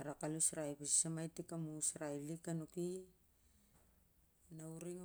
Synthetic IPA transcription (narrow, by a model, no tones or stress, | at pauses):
aɾakalusɾajpasi̥samajtikamusɾajlikanuki | nauɾiŋ